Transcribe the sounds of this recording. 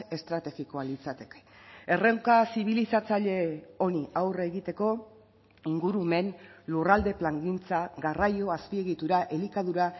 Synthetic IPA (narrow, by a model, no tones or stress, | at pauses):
e̞st̪ɾat̪e̞ɣiko̞alit͡sat̪eke̥e̞rewkasiβ̞ilisat͡saʎe̞o̞niawreɣit̪e̞ko̞ | iŋɡuɾume̞nlurald̪e̞plaŋɡint͡saɣarajo̞aspie̞ɣit̪uɾaʔe̞likaðuɾa